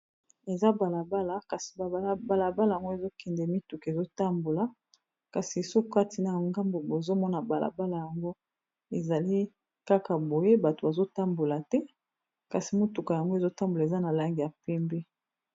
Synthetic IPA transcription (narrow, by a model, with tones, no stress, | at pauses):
e˨za˦ba˨la˨ba˦la˨ka˨si̥˨ba˨˦˨ba˨la˨ba˦la˨ja˨ŋɡo˦e˨zo˦kɛ˨ndɛ˨mi˦tu˨ke˨zo˦ta˦mbo˨la˨ | ka˨si˨e˨so˦ka˦ti˨na˨ŋɡa˦mbo˨bo˨zo˦mɔ˦na˨ba˨la̰˨ba˦la˨ja˨ŋɡo˦ | e˨za˨li˦ | ka˦ka˨bo˨je˦ba˨to˨ba˨zo˦ta˦mbo˨la˨tɛ˦ | ka˨si˨mo˦tu˨ka˨ja˨ŋɡo˦e˨zo˦ta˦mbo˨la˨e˨za˦na˨la˦ŋɡi˨ja˨pɛ˦mbe˦